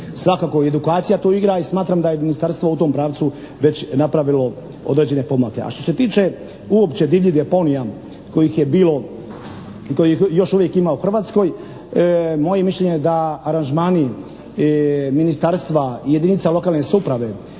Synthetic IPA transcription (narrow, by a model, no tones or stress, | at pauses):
sʋakaːkoed̪ukaːt̪sijat̪oːiɡɾaismaːt̪ɾamd̪ajeminist̪aɾst̪vʋo̞ut̪o̞ːmpɾaːʋt̪su | ʋe̞t͡ɕnapɾaʋilo̞ | o̞̰d̪ɾed͡ʑe̞ne̞pomlake̞̰a̰ʃt̪ose̞t̪iːt͡ʃe̞ | uopt͡ɕe̞d̪iʋʎid̪eponija | ko̞jixjebiːlo̞ | ikojijo̞ʃuʋje̞kimauxr̩ʋaːt̪sko̞j | mo̞je̞miʃʎeɲed̪aaɾanʒmaːni | minist̪aɾst̪ʋaje̞d̪init̪salo̞kaːlˠnesupɾaʋe̞